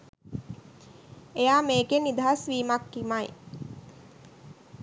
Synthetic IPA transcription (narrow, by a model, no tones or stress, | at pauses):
ejaːmeːkenid̪aɦasʋiːmakːimaj